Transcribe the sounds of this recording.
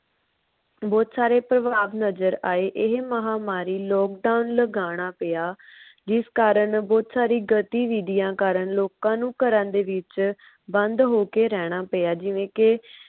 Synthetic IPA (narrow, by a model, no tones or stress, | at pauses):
bɔːt̪saːɾeːpɾəʋaːʋnəzəɾaːeːʔɪɦməɦaːmaːɾiːlɔːk̚ɖaːʊnləɡaːɽ̃aːpɪjaːd͡ʒɪskaːɾəɳbɔːt̪saːɾiːɡət̪iːʋiːd̪ɪjãːkaːɾəɳloːkãːnũːkəɾãnd̪eːʋɪt͡ʃ | bə̃nd̪ɦoːkeːɾɛːɽ̃aːpejaːd͡ʒɪʋẽːkɪ